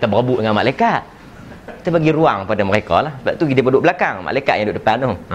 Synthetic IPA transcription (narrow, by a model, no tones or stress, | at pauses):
t̪abərabʊʔdəŋanmalajkat̪̚ | kit̪apaɡiɾuaŋpadaməɾekɔ̰lahsəbap̚t̪uɡidipədʊʔbəlakaŋma̰lajkat̪̚jãdʊʔdəpano